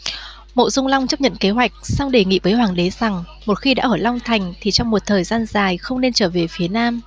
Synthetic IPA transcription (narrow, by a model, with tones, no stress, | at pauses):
mo̰˧˨zʊ˧ŋ͡mla˧wŋ͡mt͡ɕə˦˥p̚ɲə̰˧˨nke˨˦ɦwa˨˩jk̟̚sa˧wŋ͡mɗe˧˩ŋḭ˧˨vəː˨˦jɦwaː˨˩ŋɗe˨˦z̥a˨˩ŋ | mo˨˩t̚xi˧ɗa̰ː˧˥ʔəː˧˩la˧wŋ͡mt̪ʰa˨˩jŋ̟t̪ʰi˨˩t͡ɕɔ˧wŋ͡mmo˨˩t̚t̪ʰəː˨˩jzaː˧nzaː˨˩jxə˧wŋ͡mne˧nt͡ɕəː˧˩ve˨˩fi˨˦ənaː˧m